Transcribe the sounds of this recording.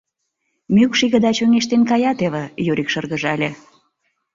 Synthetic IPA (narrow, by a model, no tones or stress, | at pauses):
mʲykʃiɣə̆d̪ɑt͡ɕøŋeʃt̪enkɑjɑt̪eβĕjøɾikʃərɣəʒɑlʲe